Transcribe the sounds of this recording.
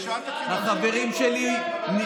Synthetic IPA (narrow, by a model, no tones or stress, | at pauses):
haχabe̞ʁimʃelini